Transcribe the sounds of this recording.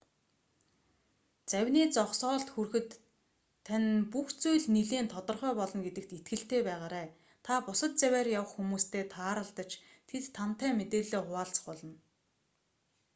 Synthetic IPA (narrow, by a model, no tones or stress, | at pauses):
t͡sæwʲniːt͡sɔχsɔːɬt̪xurxɘ̆t̪ʰː | anpuxt͡sujɮniɮeːnt̪ʰɔt̪ɞ̆rχœːpɔɮɞ̆nɡet̪ɘ̆k̚t̪it̪̚ɡɘ̆ɬt̪eːpæːʁaːɾæː | t̪ʰapʊsə̆t̪̚t͡sæwʲæːrjawə̆χxumuːst̪ʰeːt̪ʰaːɾə̆ɮt̪ə̆t͡ɕ | t̪ʰet̪ʰːan̥t̪æːmet̪eːɮeːχʊaːɮt͡sə̥̆χpɔɮɞ̆n